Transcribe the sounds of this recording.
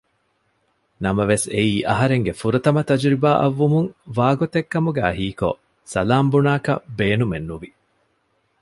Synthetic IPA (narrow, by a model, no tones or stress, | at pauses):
nɐmɐʋeseiːʔɐɦɐɾeŋɡefuɾɐt̪ɐmɐt̪ɐd͡ʒɾibaːʔɐʋːumuŋʋaːɡot̪ekːɐmuɡeɐɦiːko̰ | sɐlaːmbunaːkɐ̰beːnumenːuʋi